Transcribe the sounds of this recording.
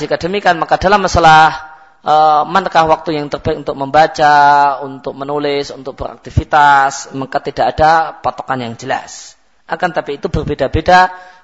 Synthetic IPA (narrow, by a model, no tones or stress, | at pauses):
sikadəmikanmakadalamːasalah | əmankahwak̚t̪ujaŋt̪ərbaɪk̚unt̪ʊk̚məmbat͡ʃaunt̪ʊk̚mənulɪsunt̪ʊk̚b̥əɾa̰k̚t̪ifit̪asmakat̪idaʔːdapat̪okanjaŋd͡ʒəla̰s | ʔakant̪apiːt̪ubərbedabeda